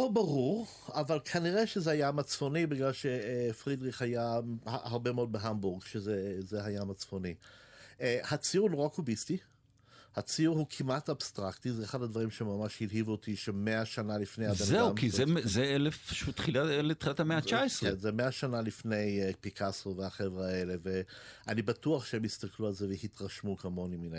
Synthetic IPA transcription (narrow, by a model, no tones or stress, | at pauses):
lobaʁuʁ | avalkʰaniʁeʃezeajamat͡sfo̞nibiɡlalʃe̞fʁidʁiχajaaaʁbe̞meo̞d̚beɦambuʁɡʃezezeɦajamat͡sfoni | hat͡sijuʁnoʁakubisti | hat͡siʁhukʰimatabstʁaktizeːχadadvaʁimʃemamaʃhilɦivuotʰiʃeme̞aʃanalifnejadanzeumkizemzeelefʃutːχilaelet̪χilat̪hameat͡ʃaesʁenzemeaʃanalifne̞jpikʰasoveaχevʁae̞le̞ve̞anibatuaχʃeemist̪aklualzevehitʁaʃmukamo̞nimina